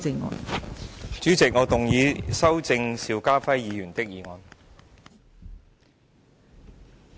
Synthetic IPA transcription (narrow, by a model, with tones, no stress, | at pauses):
t͡sɪ˧ŋɔ̰ː˨˧n | t͡ʃyː˨˥t͡sɪ˨k̚ŋɔː˨˧t̪ʊ˨ŋjiː˨˧sɐ˥wt͡sɪ˧ŋsiː˨˧wkaː˥fɐ˥jjiː˨˧jyː˨˩nt̪ɪ˥k̚jiː˨˧ŋɔː˨˧n